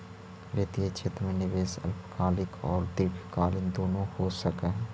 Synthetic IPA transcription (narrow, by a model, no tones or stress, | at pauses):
leːt̪iet͡ʃet̪ɾmẽnɪʋeːsə̰lpkʰaːlɪkʰɔ̰ːɾd̪eːpʰkaːlɪnd̪oːnõhoːsəkeɦ